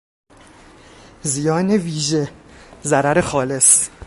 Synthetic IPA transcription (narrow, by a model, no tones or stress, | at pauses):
zijɒːneviːʒezæɾæɾexɒːle̞s